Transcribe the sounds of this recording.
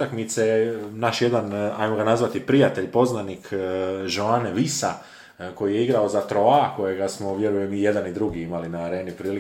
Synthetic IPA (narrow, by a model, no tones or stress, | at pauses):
akmit̪senaʃje̞d̪anajmoɡanazʋat̪ipɾijat̪e̞ʎpo̞znanikʒoaneʋisa̰ | ko̞jijeiɡɾao̞zat̪ɾo̞ako̞je̞ɡasmo̞ʋje̞ɾujemije̞d̪anid̪ɾuɡiimalinaːɾe̞ːnipɾiːli